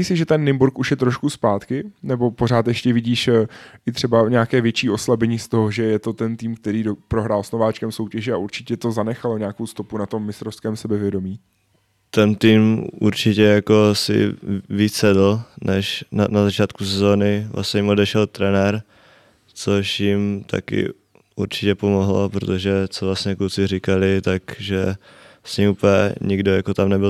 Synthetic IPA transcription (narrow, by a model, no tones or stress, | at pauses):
miːsɪʒɛt̪ɛnːɪmbuɾkuʃjɛt̪ɾo̞ʃkuspaːt̪kɪnɛbo̞po̞r̝aːt̪jɛʃcɛvɪɟiːʃʔɪt̪r̥ɛbaɲɛakɛːvjɛt͡ʃiːʔo̞slabɛɲist̪o̞ɦoʒɛjɛt̪o̞t̪ɛnt̪iːmk̚t̪ɛɾiːdopɾo̞ɦɾaːlsnovaːt͡ʃkɛmso̞wcɛʒɛaʔuɾt͡ʃɪ̥cɛt̪o̞zanɛxalo̞ɲɛaːko̞wst̪o̞punat̪o̞mːɪst̪ɾofskɛːmsɛbɛvjɛdo̞miː | t̪ɛnt̪iːmṵɾt͡ʃɪcɛjakosɪ̰viːt͡ssɛdl̩nɛʃanazat͡ʃaːt̪kusɛzo̞ːnɪvlʔa̰sɲɛjɪmo̞dɛʃɛlt̪ɾɛnɛɾ | t͡soʃjɪmt̪ʰa̰kɪ̰ | uɾt͡ʃɪcɛpo̞moɦlopɾot̪o̞ʒɛt͡sovlasɲɛkut͡sɪrɪkalɪt̪akʒɛsɲimuːpɛ̰ɲɪɡdojakot̪amnɛbɪl